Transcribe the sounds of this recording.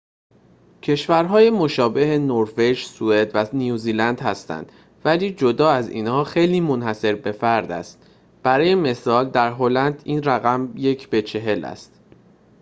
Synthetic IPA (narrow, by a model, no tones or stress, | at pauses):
cʰe̞ʃvæɾɦɒːjemo̞ʃɒːbe̞henoɾve̞ʒsue̞d̪vænijuːziːlænd̪hæst̪æ̰nd̪̥ | væliːd͡ʒo̞d̪ɒːæzḭːnhɒːxe̞jliːmonhæse̞ɾbe̞fæɾd̪æ̰st̪ | b̥æɾɒːje̞me̞sɒːld̪æɾɦo̞lænd̪iːnɾæɣæmje̞cʰb̥e̞t͡ʃʰe̞ɦe̞læ̰st̪